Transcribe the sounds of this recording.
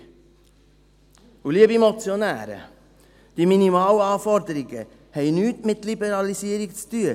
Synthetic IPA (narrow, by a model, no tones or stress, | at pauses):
uliəbimɔt͡sjɔnæ̰ːɾə̰ | d̪̥iminimɑːlɑːfɔɾd̪əɾiɡə | hɛɪnyːtmɪtlibəɾɑlisiːəɾikt͡styːə